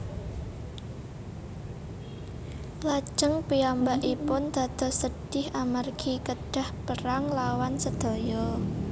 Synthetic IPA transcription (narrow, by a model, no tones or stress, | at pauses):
lḁʒ̥əŋpiambaʔipʊnd̪̥ä̤d̪̥ɔ̤hsəɖ̥ɪhʔamarɡ̥ikəɖ̥a̤hpəɾaŋlawansəd̪̥o̤jɔ